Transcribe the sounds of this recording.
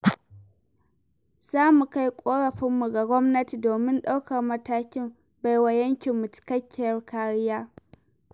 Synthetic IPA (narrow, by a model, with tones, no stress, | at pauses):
z̥aː˦mu˨ka˦jkʷʼoː˦ɽɐ˨ɸɪ˦mːu˨ɡa˨ɡʷɔ˦mnɐ˦ti˨doː˨mɪ˦nɗa˦wkɐ˨rmɐ˦taː˦kʲɪ˦m | ba˨jwa˨jɐ˦ŋkʲɪ˨mːʊ˨t͡ʃɪ̥˨kɐ˦kʲːɪ˨jɐ˨rkaː˦ɽɪ˦jaː˦